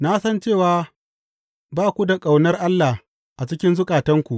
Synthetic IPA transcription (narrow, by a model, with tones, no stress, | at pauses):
na˦sɐ˦nt͡ʃeː˦˨waː˦ | baː˦˨kʷu˦da˨kʼa˨wnɐ˦rʔa˦lːa˨h | ʔa˨t͡ʃɪ˦kʲɪ˦nzʊ˦kʼaː˨tɐ˦ŋkʷu˨ʔ